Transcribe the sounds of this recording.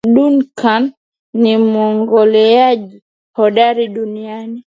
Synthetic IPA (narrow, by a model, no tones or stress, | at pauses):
ɗunkʰanː | imuɔŋɡɔlɛaʄi | hɔɗaɾiɗuniani